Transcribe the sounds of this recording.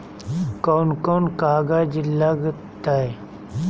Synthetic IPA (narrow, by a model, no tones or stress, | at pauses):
kɔːnkɔːnkaːɡad͡ʒɪlːaɡ | t̪aɛ